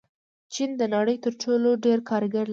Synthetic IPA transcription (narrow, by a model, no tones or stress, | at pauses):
t͡ʃind̪ənaɽəjt̪əɾʈoloɖeɾkʰɑɾɡaɾl